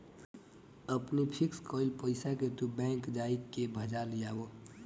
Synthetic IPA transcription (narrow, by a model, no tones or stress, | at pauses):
əpnipʰɪkskɔːɪlpəɪsaket̪ubɛ̃ːŋkd͡ʒaːikebʱəd͡ʒalijaːo